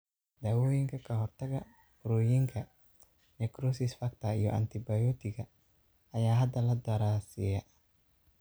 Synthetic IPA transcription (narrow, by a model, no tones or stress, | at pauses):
d̪awojiŋkakɐɦɔrt̪ɛɡa̰ | ɾojiŋkʰa | ɲakɾusisfak̚t̪aḭjɔʔa̰nt̪ibajɔt̪ikaː | jaːɦad̪alad̪aɾasia